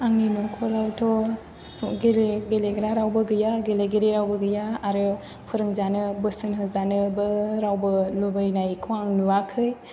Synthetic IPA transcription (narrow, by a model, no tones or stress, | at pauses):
aŋninɔkʰɔɾawtʰɔ | ɡeleɡeleɡɾaɾawbɯɡɯjaɡeleɡeɾeɾawbɯɡɯjaːɾɯ | pʰɯɾɯŋzanɯbɯsɯnɦɯzanɯbɯɾawbɯlubɯjnajkʰɔaŋnuwakʰɯj